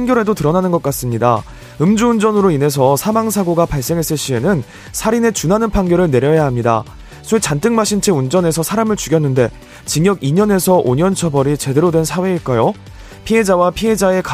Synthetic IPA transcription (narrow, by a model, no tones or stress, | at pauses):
ŋɡjʌɾɦe̞dotɯɾʌnanɯnɡʌk͈as͈ɯmɲida̰ | ɯmd͡ʑuːnd͡ʑʌnɯɾoine̞s̬ʰʌsʰamaŋsʰaɡoɡapaɭs͈e̞ŋɦe̞s͈ɯɭɕ͈ie̞nɯn | sʰaɾine̞t͡ɕunanɯnpʰaŋɡjʌɾɯɭne̞ɾjʌjaɦamɲida̰ | sʰet͡ɕant͈ɯŋmaɕʰint͡ɕʰeund͡ʑʌne̞sʰʌsʰaɾamɯɭt͡ɕuɡjʌnːɯnde̞ | t͡ɕiŋjʌɡiɲʌne̞sʰʌʔoɲʌnt͡ɕʰʌbʌɾit͡ɕe̞de̞ɾodwe̞nsʰawe̞iɭk͈ajo | pʰiɦe̞d͡ʑawapʰiɦe̞d͡ʑae̞k